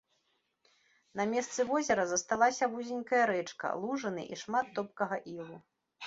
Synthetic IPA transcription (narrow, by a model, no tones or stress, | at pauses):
nɐmʲɛst̪sɨvɔzʲɛɾɐzɐst̪alˠasʲɐvuzʲinʲkɐjɐɾɛt͡ʂkɐ̰lˠuʐɐnɨ̰ʔiʂmat̪ːɔp̚kɐɣɐʔilˠu